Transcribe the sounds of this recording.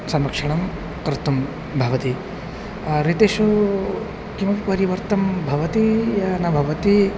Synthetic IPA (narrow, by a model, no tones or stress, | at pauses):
sɐmɾɐkʂɐɳ̃ɐm | kɾt̪ɐm | bʱɐʋɐt̪i | ɾit̪eːʃu | kimɐppɐɾiʋɐɾt̪ɐmbʱɐʋɐt̪ijɐnɐbʱɐʋɐt̪i